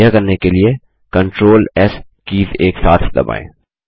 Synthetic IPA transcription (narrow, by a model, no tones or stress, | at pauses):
jakɐɾnekelie | kɐ̃ɳʈɾoːlɛs | kiːzeːksaːt̪ʰd̪ɐ̰ba̰ːḛ̃ː